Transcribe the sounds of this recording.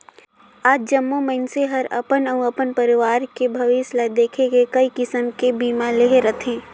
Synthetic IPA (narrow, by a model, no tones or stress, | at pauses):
aːd͡ʒd͡ʒɐmːomɐɪnseɦɐɾɐ̰pənəwɐpənpɐɾɪʋaːɾkebʱɐʋɪslad̪eːkʰekekɐikɪsəmkebiːmaleːɦɾɐt̪ʰẽː